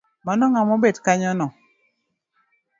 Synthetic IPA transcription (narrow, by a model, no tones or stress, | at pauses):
manɔŋamɔbedkaɲɔnɔ